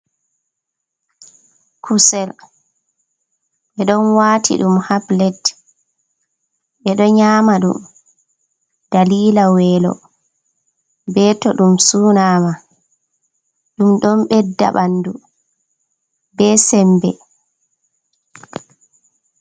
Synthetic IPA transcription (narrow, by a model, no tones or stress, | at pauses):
kʰusɛl | ɓɛɗɔnwaːtʰḭɗumhablɛt | ɓɛɗɔɲaːmaɗṵm | d̥aliːlawɛːlɔ̰ | bɛtɔɗumsuːnaːma | ɗumɗɔnɓɛdːa̰ɓandu | bɛsɛmbɛ̰